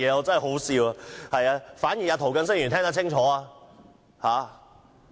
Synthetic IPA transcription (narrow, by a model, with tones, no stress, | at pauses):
jɛː˨˧ɔː˨˧t͡sɐ˥nɦho˨˥wsiː˧waː˧hɐ˨jaː˧faː˨˥njiː˨˩jaː˨˧t̪ʰo˨˩wkɐ˧ns̬ɪ˥ŋjyː˨˩nt̪ʰɛ˥ŋt̪ɐ˥t͡ɕʰɪ˥ŋt͡ʃʰɔː˨˥aː˧ | haː˨˥